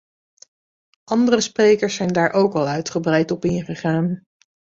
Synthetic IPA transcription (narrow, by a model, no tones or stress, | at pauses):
ʔɑndərəsprejkəɹsɛjndaːɹʔowkɑlˠœɥtχəbrɛjtɔpɪnχəχaːn